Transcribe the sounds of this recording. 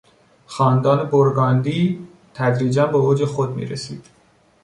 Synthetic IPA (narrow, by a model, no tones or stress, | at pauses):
xɒːnd̪ɒːne̞boɾɡɒːnd̪iː | t̪ʰæd̪ɾiːd͡ʒænbeoːd͡ʒexod̪mḭːɾesiːd̪̥